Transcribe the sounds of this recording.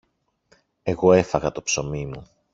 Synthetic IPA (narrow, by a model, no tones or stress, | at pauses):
e̞ɣo̞e̞fɐɣɐt̪o̞pso̞mimu